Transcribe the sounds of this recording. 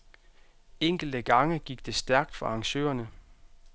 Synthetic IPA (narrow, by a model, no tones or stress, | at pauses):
eŋ̰ɡ̥l̩d̥əɡ̥ɑ̈ŋəɡ̥iɡ̥̚d̥e̝sd̥æɐɡ̥̚d̥fɒ̽ɑ̈ŋɕø̰ːɐnə